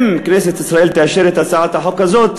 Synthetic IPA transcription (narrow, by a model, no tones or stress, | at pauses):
mkneːsɪt̪ʔɪsɾˤɑʔiːlt̪æʃiːɾɪt̪asaːʕat̪aħokːæzoːt̪